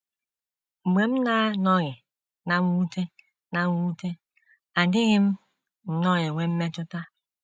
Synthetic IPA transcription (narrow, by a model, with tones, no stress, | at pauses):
ŋ͡m̩˨ɡ͡be˨m̩˦na˦nɔ˦ɣɪ˨ | na˨˦wu˦te˦ | na˨˦u˦te˦ | a˨dɪ˦ɣɪ˦m̩˦ | n̩˨nɔ˦ɣɪ˨we˦m̩˦me˦tʊ˦ta˦